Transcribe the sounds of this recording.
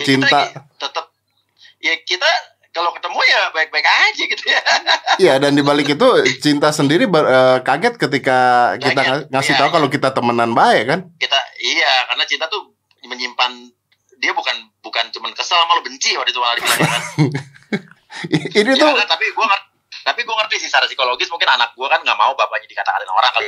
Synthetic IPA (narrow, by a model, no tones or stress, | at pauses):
t͡ʃint̪at̪ət̪əp̚ | jakit̪a | kalokət̪əmujabaɪk̚baɪkad͡ʒaɡit̪ujajadandibalɪkit̪ut͡ʃint̪asəndiɾibərəːkaɡɛt̪̚kət̪̬ikakit̪aŋasɪht̪aukalokit̪at̪əmənanbaɪkːankit̪aijakarənat͡ʃint̪at̪u | məɲimpan | diabukanbukant͡ʃumankəsalamalobəɲt͡ʃɪwadit̪ukaadifilaka | init̪uat̪apiɡuaŋər | t̪apiɡuaŋərt̪isisaɾasikoloɡɪsmuŋkɪnanak̚ɡuakanŋɡaʔma̰ubapaɲadikat̪akananako̰ɾaŋkal